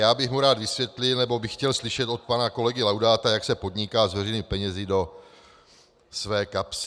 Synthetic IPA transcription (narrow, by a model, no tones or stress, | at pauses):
jaːbɪxmuɾaːd̪vɪsvjɛt̪lɪlnɛbobɪxːcɛlslɪʃɛt̪o̞t̪̚panako̞lɛɡɪlawdaːt̪ajaksɛpo̞d̪ɲɪkaːzvɛrɛjnipɛɲɛzɪdo̞ | svɛːkaps